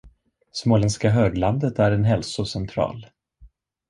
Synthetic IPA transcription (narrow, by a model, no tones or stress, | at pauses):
smoːlɛnskaɦøːɡland̪ət̪æɾɛnɦɛlsʊsɛnt̪ʰɾɑ̰ːl